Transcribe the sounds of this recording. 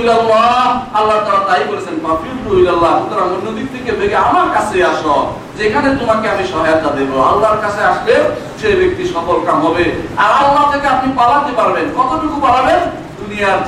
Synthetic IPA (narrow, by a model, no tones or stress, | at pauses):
lalːaalːaɾt̪alat̪aikoɾesʰenmafildoɦilalːaʃut̪ɔɾaŋonod̪ik̚t̪ikebʱeɡeamaɾkasʰeasɔ | d͡ʒekʰanet̪umakeamiʃɔɦɔjat̪zad̪eboa̰lːaɾkasʰeaʃle | ʃebek̚t̪iʃɔbɔlkamɦɔbeaɾalːat̪akeapnipalat̪epaɾbenkɔt̪obikupaɾaben | d̪unijaɾ